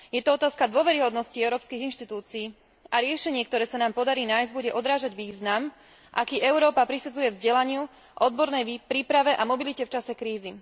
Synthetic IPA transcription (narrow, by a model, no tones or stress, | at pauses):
jɛt̪ɔɔt̪aːskad̪ʊɔʋɛɾiɦɔd̪nɔsciɛʊɾɔːpskiɣinʃt̪it̪uːt͡siː | ʔaɾɪɛʃɛɲɪɛk̚t̪ɔɾɛːsanaːmpɔd̪aɾiːnaːjzɟbuɟɛʔɔd̪ɾaːʒaɟʋiːznam | ʔa̰kiːʔɛʊɾɔːpapɾisad͡zujɛvzɟɛlaɲɪu | ʔɔd̪bɔɾnɛjpɾiːpɾaʋɛʔamɔbilicɛft͡ʃasɛkɾiːzi